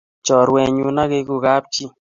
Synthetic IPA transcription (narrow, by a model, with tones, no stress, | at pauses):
t͡ʃɔ˨ɾwɛ˨ɲu˧na˦ke˧ku˨ɡa˦p̚t͡ʃi˦